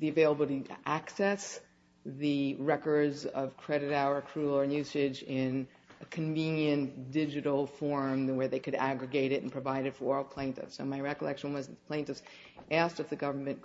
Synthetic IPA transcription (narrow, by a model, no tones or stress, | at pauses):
ðiɨveɪlˠəbl̩ˠɾiʔæksɛs | ðɨɹɛkə˞dzʌv̥kʰɹ̥ɛɾɨɾaʊə˞kʰɹ̥ʉl̩ˠənjʉsɪd͡ʒɪ̃n | ɨkʰɨ̃ɱvĩnjɨ̃nd̥ɪd͡ʒɨɾl̩ˠfɔɹmðɨwə˞ðeɪkʰɨɾæ̰ɡɹɨɡeɪɾɨɾn̩pʰɹ̥ɨvaɪɾɨtfə˞ɔlˠpʰl̥ẽɪ̃ntɨ̰fsoʊmaɪɹɛkəlɛkʃɨ̃n̩wʌzðɨt̪pʰl̥ẽɪ̃ntɨfs | ʔæstɨfðɨɡʌvə˞mɨ̃n